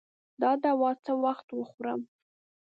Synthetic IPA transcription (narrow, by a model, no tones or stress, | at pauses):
d̪ɑd̪awɑt͡səwaxt̪wəxuɾə̰m